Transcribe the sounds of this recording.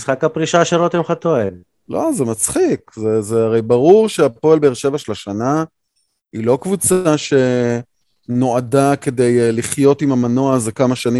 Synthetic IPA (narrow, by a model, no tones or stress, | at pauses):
sχakapʁiʃaʃelot̪emχat̪oev | lo̞zemat͡sχikzezeaʁe̞jbaʁuʁʃeapo̞elbeeʁʃe̞vaʃe̞laʃana | ilo̞kvut͡saʃe̞ | no̞adake̞d̪e̞jliχjo̞timamano̞azekamaʃanim